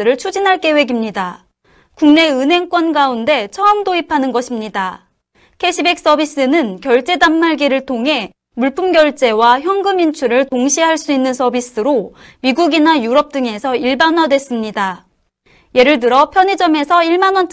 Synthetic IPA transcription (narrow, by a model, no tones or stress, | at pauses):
ɯɾɯɭt͡ɕʰud͡ʑinɦaɭk͈e̞we̞ɡimɲida | kuŋne̞ɯnɦe̞ŋk͈wʌnɡaunde̞t͡ɕʰʌʌmdoipʰanɯnɡʌɕʰimɲida | kʰe̞ɕʰibe̞k̚s͈ʌbis͈ɯnɯnkjʌɭt͡ɕ͈e̞damːaɭɡiɾɯɭtʰoŋɦe̞ | muɭpʰumɡjʌɭt͡ɕ͈e̞waçjʌŋɡɯmint͡ɕʰuɾɯɭtoŋɕʰiɦaɭs͈uinːɯnsʰʌbis͈ɯɾomiɡuɡinajuɾʌp̚t͈ɯŋe̞sʰʌiɭbanwadwe̞s͈ɯmɲida | je̞ɾɯɭdɯɾʌpʰjʌɲid͡ʑʌme̞sʰʌiɭmanwʌnt͡ɕ